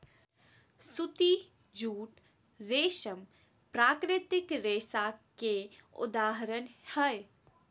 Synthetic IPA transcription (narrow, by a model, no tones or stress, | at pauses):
sut̪i | d͡ʒuːʈ | ɾeːʃəm | pɾaːkɾɪt̪ɪkɾeːsakeʊ̰d̪aːɦəɾənhɛj